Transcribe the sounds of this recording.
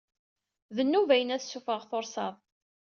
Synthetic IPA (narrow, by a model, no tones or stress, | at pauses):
ðənːuvæjənæθsːufəʁθoɾsɑðˤ